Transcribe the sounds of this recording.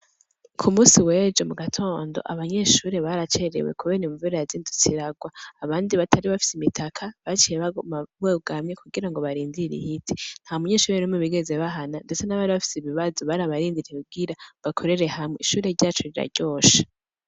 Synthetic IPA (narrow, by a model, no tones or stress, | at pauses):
kʰumuːsiwe̞ːd͡ʒomuɡatʰo̞ːndo̞̰ʔa̰βaɲe̞ʃuːɾe̞βaːɾat͡ʃe̞ɾe̞̰we̞̰kuβeːnemuvuɾejaziːndut͡siɾaɡwaːβaːndiβatʰaɾiβafi̥simitʰakʰaβat͡ʃijeβaomaβweːɡamɲe̞kuɡiɾaŋɡo̞βaɾiːndiiɾḭhitʰi̥n̥haːumuɲe̞ʃuːɾenumweβiɡe̞ze̞βaɦanande̞t͡se̞naβaɾiβafi̥siβiβazoβaɾaβaɾiːndiɾihub̚ɡiɾaβakʰo̞ɾe̞ɾe̞hamŋeiʃuːɾe̞ɾɟaːt͡ʃoɾiɾa̰ɾɟo̞ːʃḁ